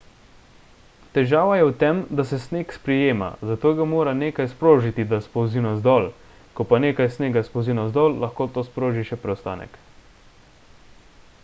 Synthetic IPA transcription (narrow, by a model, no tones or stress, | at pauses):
t̪ɛʒaːʋajɛwt̪ɛmd̪asɛsneːkspɾɛjeːma̰zat̪oːɡamoːɾaneːkajspɾoːʒit̪id̪aspɔwzinɔzd̪ɔːl | kɔpaneːkajsneːɡaspowzinɔzd̪ɔːlːaxkoːt̪oːspɾoːʒiʃɛpɾɛwst̪a̰ːnɛ̰k